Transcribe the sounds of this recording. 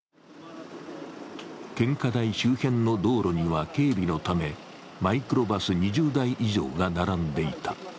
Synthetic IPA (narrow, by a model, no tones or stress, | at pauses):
kẽ̞ŋkad̪aiɕɨːhẽ̞nːo̞d̪o̞ːɾʔo̞ɲ̟iβ̞ake̞ːbʲino̞t̪ame̞ | maikɯ̟ɾo̞basɨɲ̟iʑɨːd̪aiʔiʑo̞̰ːɡanaɾãnd̪e̞it̪ḁ